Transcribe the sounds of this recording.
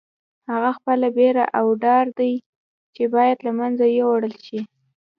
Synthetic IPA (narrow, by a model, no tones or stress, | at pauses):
haɣaxpəlabeɾa̰ʔawɖɑɾd̪aj | t͡ʃebɑjad̪lamanzajewaɽəlʃi